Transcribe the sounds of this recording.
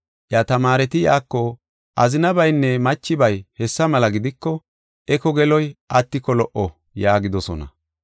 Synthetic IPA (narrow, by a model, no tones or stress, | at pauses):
ʔjat̪ɐmaːɾɛt̪ɪjaːkːɔ | ʔɐzɪnɐbɐjnːɛmɐt͡ʃːɪbɐjhɛsːɐmɐlɐɡɪd̪ɪkːɔ | ʔɛkɔɡɛlɔjʔɐt̪ːɪkːɔlɔʔɔ | jaːɡɪd̪ɔsɔ̰nɐ̰